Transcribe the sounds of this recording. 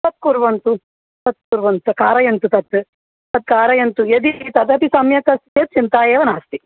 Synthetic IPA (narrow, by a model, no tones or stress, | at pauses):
t̪ɐt̪̚kuɾʋɐnt̪u | t̪ɐt̪̚kuɾʋɐnt̪ɐkaːɾɐjɐnt̪ut̪ɐt̪ː | t̪ɐt̪̚kaːɾɐjɐnt̪ujed̪it̪ɐt̪ɐt̪isɐmjɐkɐset̪̚t͡ʃint̪aːjeːʋɐnaːst̪i